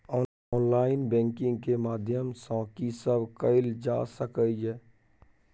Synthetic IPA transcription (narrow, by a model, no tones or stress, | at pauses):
ɔː | ɔːnlaːɪnbɛ̃ːŋkɪ̃ŋɡkemaːd̪ʱjəmsɔ̃ːkisəbʱkəɪld͡ʒa̰ːsəkəiɦɛː